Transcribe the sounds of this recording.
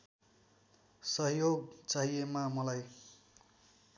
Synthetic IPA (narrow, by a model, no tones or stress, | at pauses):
sʌɦjoɡt͡saɦiemamʌlaj